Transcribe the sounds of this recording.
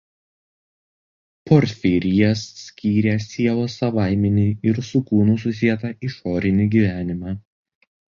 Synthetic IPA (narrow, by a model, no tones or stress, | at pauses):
pɔɾʲt̪fʲiɾʲɪjɛsːʲkʲiːɾʲɛsʲiɛlˠoːsɐʋɑˑɪmʲɛnʲiːɪɾsʊkuːnʊs̬ʊsʲiɛt̪ɐiʃoːɾʲɪnʲiɡʲiːʋʲæːnʲɪmɑː